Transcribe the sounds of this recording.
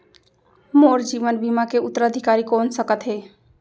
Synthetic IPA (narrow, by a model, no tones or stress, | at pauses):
moɾd͡ʒibənbimakeut̪ːəɾəd̪ʱikaɾikonsəkət̪ɦe